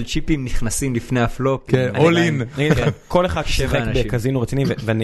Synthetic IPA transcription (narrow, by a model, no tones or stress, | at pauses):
t͡ʃipimniχnasimlifnejaflop̚kkenanolinnaɡid̪ko̞leχad̪ʃsivχeanabeʃkazinuʁet͡sinimveveani